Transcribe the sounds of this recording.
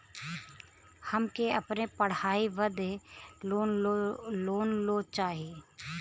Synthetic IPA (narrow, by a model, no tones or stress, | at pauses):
həmkeɐpnepəɽ̤aːiʋəd̪eoː | loːnloːt͡ʃaːɦieː